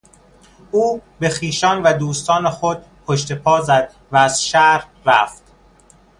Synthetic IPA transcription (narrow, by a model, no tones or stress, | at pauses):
ʔuːbe̞xiːʃɒːnvæd̪uːst̪ɒːnexod̪̚ | pʰoʃt̪e̞pʰɒːzæd̪̥̚ | væːz̥ʃæɾh | ɾæft̪